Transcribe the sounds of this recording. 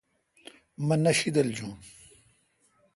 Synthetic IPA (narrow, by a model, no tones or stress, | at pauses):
mɐnɐɕid̪ɐld͡ʑũːm